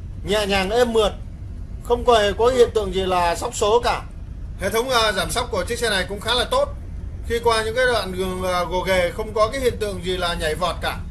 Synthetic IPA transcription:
ɲa̰ː˧˨ɲaː˨˩ŋʔe˧mːɨ˨˩ət̚ | xə˧wŋ͡mkɔ˨˩e˧˩kɔ˨˦kːhḭ˧˨ənt̪ɨ̰˧˨əŋzi˨˩laː˨˩sa˦˥wk͡p̚so˨˦kaː˧˩ | hḛ˧˨t̪ʰə˨˦wŋ͡mʔaː˧zaː˧˩msa˦˥k͡p̚ku˧˩ət͡ɕɨ˦˥əŋsɛ˧˩na˨˩jkʊ̰˧˥ŋ͡mxaː˨˦laː˨˩t̪o˦˥t̚ | xi˧kwaː˧ɲɨ̰˧˥ŋkaː˨˦jɗwa̰ː˧˨nɣɨ˨˩əŋː˨˩ɣo˨˩ɣe˨˩xə˧wŋ͡mkɔ˨˦kaː˨˦jhḭ˧˨ənt̪ɨ̰˧˨əŋzi˨˩laː˨˩ɲa˨˩jvɔ˨˩t̚kaː˧˩

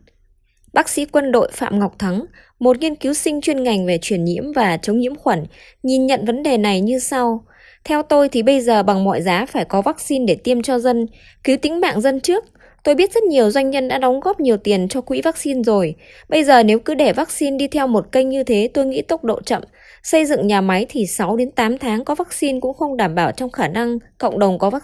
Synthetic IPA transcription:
ɓaː˦˥k̚sḭ˧˥kwə˧nɗo̰˧˨jfa̰ː˧˨mŋa˨˩wk͡p̚t̪ʰa˨˦ŋ | mo˨˩t̚ŋi˧ənki˨˦wsï˧ŋ̟t͡ɕwi˧ənŋa˨˩jŋ̟ve˨˩t͡ɕwi˧˩ənɲḭ˧˥əmvaː˨˩t͡ɕə˨˦wŋ͡mɲḭ˧˥əmxwaː˧˩n | ɲi˨˩nɲə̰˧˨nvə˨˦nɗe˨˩na˨˩jɲɨ˧sa˧w | t̪ʰɛ˧wt̪o˧jt̪ʰi˨˩ɓə˧jzəː˨˩ɓa˨˩ŋmɔ̰˧˨jzaː˨˦faː˧˩jkɔ˨˦vaː˦˥k̚si˧nɗe˧˩t̪i˧əmt͡ɕɔ˧zə˧n | ki˨˦wt̪ï˨˦ŋ̟ma̰ː˧˨ŋzə˧nt͡ɕɨ˦˥ək̚ | t̪o˧jɓi˦˥ət̚z̥ə˦˥t̚ɲi˨˩əwzwa˧jŋ̟ɲə˧nɗa̰ː˧˥ɗɔ˨˦wŋ͡mɣɔ˦˥p̚ɲi˨˩əwt̪i˨˩ənt͡ɕɔ˧kwḭ˧˥vaː˦˥k̚si˧nzo˨˩j | ɓə˧jzəː˨˩ne˨˦wkɨ˨˦ɗe˧˩vaː˦˥k̚si˧nɗi˧t̪ʰɛ˧wmo˨˩t̚kə˧jŋ̟ɲɨ˧t̪ʰe˨˦t̪o˧jŋḭ˧˥t̪o˦˥wk͡p̚ɗo̰˧˨t͡ɕə̰˧˨m | sə˧jzɨ̰˧˨ŋɲaː˨˩ma˨˦jt̪ʰi˨˩sa˨˦wɗe˨˦nt̪aː˨˦mt̪ʰaː˨˦ŋkɔ˨˦vaː˦˥k̚si˧nkʊ̰˧˥ŋ͡mxə˧wŋ͡mɗaː˧˩mɓaː˧˩wt͡ɕɔ˧wŋ͡mxaː˧˩na˧ŋkə̰˧˨ŋ͡mɗə˨˩wŋ͡mkɔ˨˦vaː˦˥

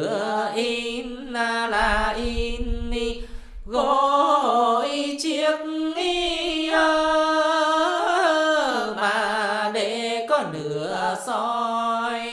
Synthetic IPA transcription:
əʔi˧n | laː˧˩laː˨˩ʔi˧nni˧˩ | ɣo˧o˨jt͡ɕi˧˥ət̩̚˧ŋi˧ʔəː˧˩˧ | maː˨˩ɗe˧˩kɔ˨˦nɨ˧˦əsɔ˧˦j

